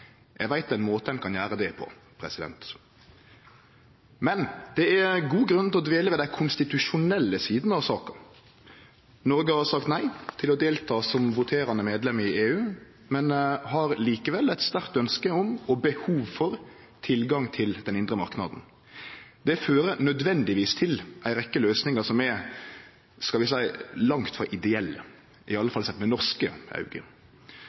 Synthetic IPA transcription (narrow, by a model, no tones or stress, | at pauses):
jʔɛ̰ɡʋæɪt̪ɛnmoːt̪əɛnkʰɑnjæːɾəd̪ɛpʰɔ̰ | pʰɾɛsɪd̪ɛ̰nt̪ | mɛnd̪̥ɛæɡuːɡɾʉnt̪ɛlɔd̪ʋeːləʋɛːd̪æɪkʰʊnst̪ɪt̪ʉʂʊnɛlːəsiːd̪n̩ɑʋsɑːkɑ | nɔɾɡəhɑɾsɑkt̪næɪt̪ʰɪlɔd̪eːlt̪ʰɑːsɔmʋʊt̪ʰeːɾɑnəmeːd̪lɛməɪeːʉː | mɛnɦɑɾliːkəʋɛlæɪt̪st̪æʁt̪œnskəɔmɔbəhuːʋfɔɾ | t̪ʰɪlɡɑŋt̪ʰɪld̪ɛnɪnd̪ʁəmɑɾknɑ̰d̪n̩ | d̪̥ɛføːɾənœd̪ʋɛnd̪ɪʋiːst̪ʰɪlʔæɪɾɛkːəløːsnɪŋəsɔmɛ | skɑlʋɪsæɪlɑŋt̪fɔɾʔɪd̪ɛɛlːə̰ | ʔɪɑlːəfɑlːsɛt̪ːmɛnɔʁskəʔɑ̰ʉɡə̰